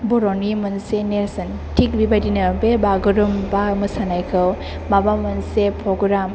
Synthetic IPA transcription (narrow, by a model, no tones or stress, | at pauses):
bɔɾonimɐnseneɾsɐn | tʰik̚bibadinɐbebaɡɯɾumbamɯsanajkʰɯw | mabamɐnsepʰɾɔɡɾam